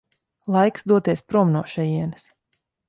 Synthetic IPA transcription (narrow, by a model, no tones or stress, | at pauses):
lˠajksd̪uɔt̪iɛspɾuɔmnuɔʃɛjiɛnɨs